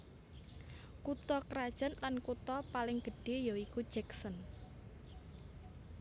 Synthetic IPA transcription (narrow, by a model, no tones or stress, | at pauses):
kut̪ɔkɾad̥ʒ̥ə̤nlankut̪ɔpalɪŋɡ̥ə̤ɖ̥e̤jɔikud̥ʒ̥ɛksən